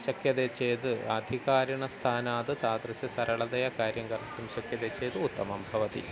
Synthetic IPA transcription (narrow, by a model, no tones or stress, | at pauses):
ɕɐkjɐðet͡ɕːeːt̪ɨɐd̪ʱiɣaːɾɐɳɐst̪ʰaːnaːðɨt̪aːd̪rɐɕɐsɐɾɐɭɐðɐjɐkaːɾjɐŋɡɐrkumɕɐkjɐðet͡ɕːejt̪ɨut̪ːɐmɐmbʱɐʋɐt̪ḭ